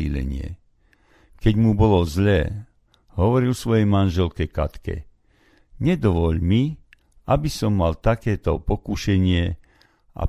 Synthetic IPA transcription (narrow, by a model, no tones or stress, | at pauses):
ḭlɛ̰ɲɪɛ̰ | kɛɟmubɔlɔzʎɛː | ɦɔʋɔɾilsʋɔjɛjmanʒɛlkɛka̰t̪kɛ̰ | ɲɛd̪ɔʋɔʎmi | abisɔmːalt̪akɛːt̪ɔpɔkuʃɛɲɪɛ | ʔa̰